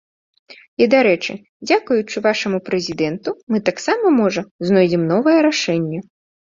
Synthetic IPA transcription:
id̪aɾɛt͡ʂɨ̰ | d͡zʲakujut͡ʂɨvaʂɐmupɾɛzʲid̪ɛnt̪umɨt̪aksamɐmɔʐɐznɔjd͡zʲɛmnɔvɐjɛɾaʂɛnʲːɛ

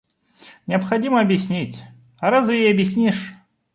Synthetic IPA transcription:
nʲɪɐpxɐdʲiməɐbʲjɪsʲnʲitʲ | ɐɾazvɨjejɐbʲjɪsʲnʲiʂ

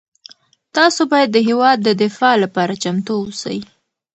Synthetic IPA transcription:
t̪ɑsobɑjad̪ːəɦewɑd̪̚ːəd̪ɪfɑlapɑɾat͡ʃamt̪oosa̰j

